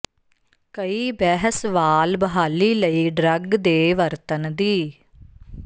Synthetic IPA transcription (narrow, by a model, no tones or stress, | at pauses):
kəiːbɛːɦəsʋaːlbəɦaːliːləiːɖɾəɡd̪eːʋəɾt̪ənd̪iː